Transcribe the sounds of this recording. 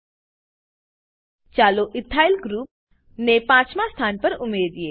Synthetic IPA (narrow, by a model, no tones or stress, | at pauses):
t͡ʃaːloʔɪt̪ʰːaːɪlɡɾuːp̚ | nepãːt͡ʃmãst̪ʰaːnpɐɾʊmeːd̪ijeː